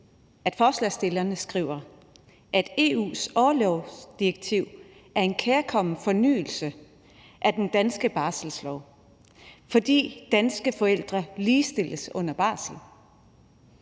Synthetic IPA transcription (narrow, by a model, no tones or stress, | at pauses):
ʔæd̥fɒːslɛ̰sd̥e̝lɐnəsɡ̥ʁḭʊɐ | ʔæd̥e̝ṵːsɒːlɒʊd̥iʁeɡ̥̚t͡sʰiʊ̰ | æɐe̝nkʰeːɐkʰɒ̽m̰n̩fɒ̽ny̰ːl̩sə | ʔæɐd̥end̥ænsɡ̥əb̥ɑ̈ːsl̩slɒʊ | fɒ̽d̥ḭːd̥ænsɡ̥əfɒ̽el̰d̥ʁɐliːsd̥e̝l̰əsɔ̽n̰ɐb̥ɑ̈ːsl̩